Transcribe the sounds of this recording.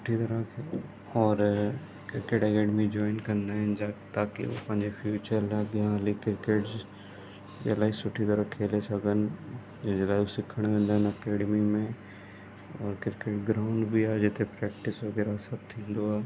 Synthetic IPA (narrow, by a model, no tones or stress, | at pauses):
t͡ʃʊ̥ʈʰːit̪ɐɾəkʰɛ | ɔːɾ | kɪɾkeːʈɛkɛːɖəmid͡ʒɔːɪnkɐɾnd̪aɦɛnd͡ʒat̪aːkḭʋo̰pɐ̃ɦnd͡ʒefʰjuːt͡ʃəɾlaɡjãlikɪɾkeːʈ | d͡ʒḛlaːisʊʈʰːit̪ɐɾəkkʰːeːlesʰɐɡən | d͡ʒelaːisɪkʰːəɽ̃ʋẽːnd̪aɦɛnɐkeːɖmimẽ | ɔːɾkɪɾkeːʈɡɾaːʊ̃ɳɖbʱiaːd͡ʒɪt̪ʰepɾɛːk̚ʈɪsʋoɡɛːɾasɐb̚t̪ʰĩːnd̪oaː